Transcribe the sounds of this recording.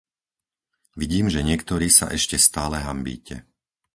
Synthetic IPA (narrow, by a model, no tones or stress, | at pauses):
ʋiɟiːmʒɛɲɪɛkt̪ɔɾiːsa̰ʔɛʃcɛst̪aːlɛɦambḭːcʰɛ̰